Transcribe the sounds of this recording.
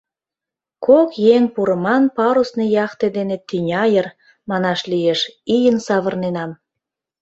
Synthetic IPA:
kokjeŋpuɾə̆mɑnpɑɾusnejɑχt̪ed̪enet̪ynʲɑjər | mɑnɑʃlijeʃijənsɑβərnenɑm

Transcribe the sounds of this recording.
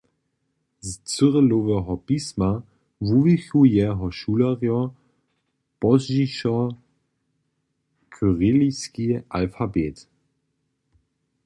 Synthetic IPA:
zt͡søʁəlovɛɦɔpisma | vuvixujɛɦɔʃulaʁjɔ | pɔzʒiʃɔ | kʰøʁɪliskiʔa̰lfabeːt

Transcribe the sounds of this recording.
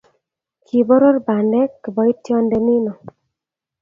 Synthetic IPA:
kʰibɔɾɔɾbandɛkbɔjtʰːjɔndeminɔ

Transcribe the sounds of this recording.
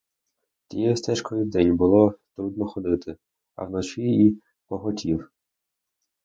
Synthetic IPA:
t̪ʲijɛst̪ɛʃkɔjid̪ɛnʲbʊlˠɔt̪ɾud̪nɔxɔd̪ɪt̪ɪ | ɐ̰wnɔt͡ʃii | pɔɦɔtʲʰiw

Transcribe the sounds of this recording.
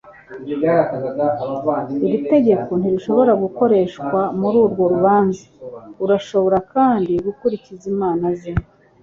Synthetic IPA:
aɾakaɡaɡaβavaniβite̞ɟe̞ko̞n̥iɾiʃo̞βo̞ɾaɡuko̞ɾe̞ːʃkwamuɾuːɾɡo̞ɾuβaːnzeuɾaʃo̞βo̞ɾakaːndiɡukuɾicizimaːnazimo

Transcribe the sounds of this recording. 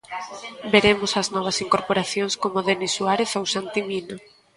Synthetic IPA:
beɾemʊsɐznɔβ̞ɐsiŋkoɾpoɾaθjoŋskomoðenesuaɾeθowsant̪imino

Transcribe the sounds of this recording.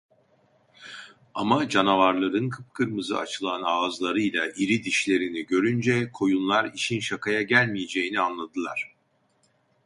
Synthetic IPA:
amad͡ʒanavaɾlˠaɾɯnkʰɯp̚kʰɯɾmɯzɯ̰a̰t͡ʃʰɯlˠanaːzlˠaɾɯjlʲˠaʔiɾid̪iʃlʲe̞ɾiniɟø̞ɾynd͡ʒɛkʰo̞junlˠaɾiʃinʃakʰajaɟælʲmijed͡ʒe̞jinianlˠad̪ɯlˠa̰ɾ̝̥

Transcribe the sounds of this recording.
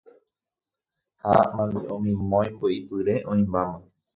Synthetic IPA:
ha̰mãnd̪eʔõmĩmõjmboipɨɾeʔõĩmbamã

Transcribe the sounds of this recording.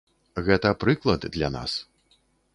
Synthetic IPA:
ɣɛt̪ɐpɾɨklˠɐd̪d̪lʲa̰na̰s

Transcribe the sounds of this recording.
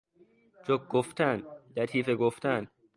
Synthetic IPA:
d͡ʒok̚ɡ̥oft̪ænlæt̪ʰiːfeɡoft̪ʰæn

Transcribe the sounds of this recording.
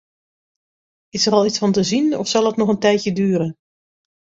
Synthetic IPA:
ɪsəɾɑlˠisfɑntəzinɔ̰fsɑlˠətnɔχəntɛjtjədyːɾən

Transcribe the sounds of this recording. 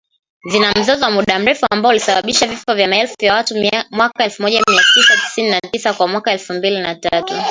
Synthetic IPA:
vinam̩zɔzɔwamuɗam̩ɾɛfuambalisaɓaɓiʃavifɔvjamaɛlfuvjawatumimwakaɛlfumɔʄamiatisati̥sininatisakwamwakaɛlfumbilinatatu

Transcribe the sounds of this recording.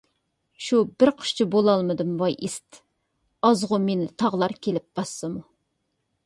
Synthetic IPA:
ʃubɪɾqʰə̥ʃt͡ʃʰɪbolˠɑlˠmɨd̪ɨmvɑjʔist̪ | ɑzʁʊmenɪt̪ʰɑʁlˠɑɾkʲʰelɪp̚b̥ɑsːɨmu

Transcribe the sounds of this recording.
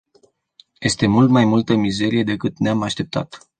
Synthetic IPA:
je̞st̪e̞mult̪majmult̪əmize̞ɾije̞d̪e̞kɨt̪neamaʃt̪e̞p̚t̪ʰa̰t̪

